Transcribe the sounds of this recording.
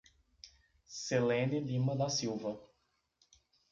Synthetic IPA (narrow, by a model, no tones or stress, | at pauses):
selẽnɪlĩmɐd̪ɐsiwvɐ